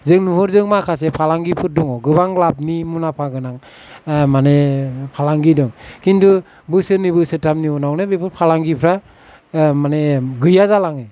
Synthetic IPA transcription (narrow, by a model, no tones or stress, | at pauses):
zɯŋnuɦɯɾzɯŋmakʰas̬epʰalaŋɡipʰɯɾ̚dɔŋɔɡɯβaŋlap̚nimunapʰaɡɯnaŋ | manepʰalaŋɡidɔŋkintu | bɯsɯnibɯsɯtʰamniɔnawnɯbepʰɯɾpʰalaŋɡipʰɾa | maneɡɯjazalaŋe